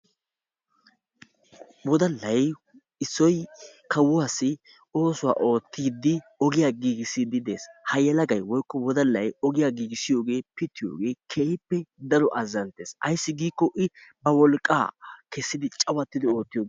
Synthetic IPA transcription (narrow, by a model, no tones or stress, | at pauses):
wɔd̪ɐlːɐj | ɪsːɔjkʰɐwʊaːsːɪ | o̞ːsʊwa̰ːʔo̞ːt̪ːiːd̪ːɪɔɡɪjaːɡiːɡɪsɪd̪ɪd̪e̞̰ːshɐjɛlɐɡɐjwɔjkːɔwɔd̪ɐlːɐjɔɡɪjaːɡiːɡɪsɪjo̞ːɡe̞ːpɪt̪ːɪjoːɡe̞ːkʰehɪpːɛd̪ɐɾɔʔɐzɐnt̪e̞ːsɐjsːɪɡiːkːɔʔɪbɐwɔlkʼːa̰ːkɛsːɪd̪ɪt͡ʃʼɐwɐt̪ːɪd̪ɪo̞ːt̪ːɪjoːɡ